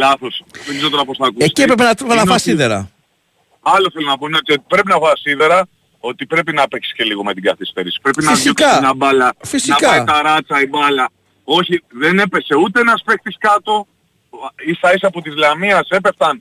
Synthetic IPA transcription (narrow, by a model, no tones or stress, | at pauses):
lɐθo̞smizot̪oɾɐposθɐːkuesciepɾep̬enɐepnɐvɐsiðeɾɐ̰ | ɐlo̞θelonɐpoineot̪iot̪i̥pɾe̞pinɐvɐsiðe̞ɾɐ | o̞t̪ipɾe̞pinɐpekssce̞liɣo̞met̪iɡɐθist̪e̞ɾisi̥pɾe̞pinɐisikɐnɐbɐlɐfisinɐpkɐait̪ɐɾɐt͡sɐibɐlɐ | o̞çiðene̞pe̞se̞ut̪enɐspe̞xt̪iskɐt̪o̞ | ist̪ɐis̬ɐpot̪izlɐmiɐse̞pe̞ft̪ɐn